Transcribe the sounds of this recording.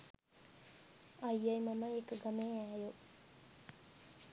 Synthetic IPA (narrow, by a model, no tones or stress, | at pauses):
ɐjːɐjmɐmɐjekəɡɐmeːæːjoʔ